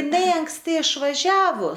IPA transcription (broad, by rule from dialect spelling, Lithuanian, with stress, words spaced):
ɪˈnɐɪ ɐŋksʲˈtʲɪ ɪʃʋɐˈʒʲæːʋoː